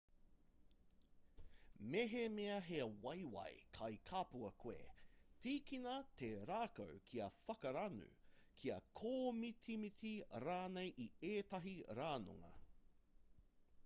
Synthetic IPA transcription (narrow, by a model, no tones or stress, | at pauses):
meɦemeɐɦewɐjwɐ̰jkʰɐjkʰapuɐkʰwḛtiːkinɐt̪ʰeɾaːko̰wkʰiɐfɐkɐɾɐnʉ̰kʰiɐ̰kʰoːmitʰimitiɾaːnejʔieːt̪ɐɦiɾaːno̰ŋɐ̰